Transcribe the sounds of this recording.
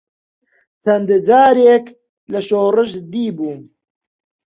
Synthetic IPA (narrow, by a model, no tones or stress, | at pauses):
t͡sʰɐnd̪d͡ʒaːɾeːk | lɐʃoːrɨʃd̪iːbuː